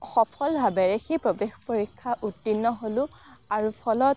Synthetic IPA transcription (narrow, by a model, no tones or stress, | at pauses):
xɔpʰɔlbʱabɛɹexipɹobexpoɹikʰːaʔutːinːɔɦolʊ̃ | aɹupʰɔlɔt